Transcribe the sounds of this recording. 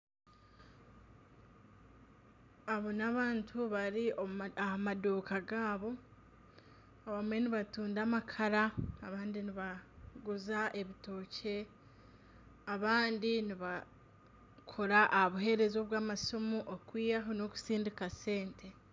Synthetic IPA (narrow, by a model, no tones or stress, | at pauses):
aβo̞naβaːntʰuβaɾioahamaduːkaɡaːβo̞ | aβamwe̞niβatuːndamakʰaɾaːβaːndiniβaɡuzaʔe̞βito̞ːcʰe̞ | aβaːndiniβa | kʰoɾaʔːhaβuɦe̞ɾe̞zo̞ːβwaːmasomuʔokwiːjaɦonoku̥siːndikase̞ːntʰe̞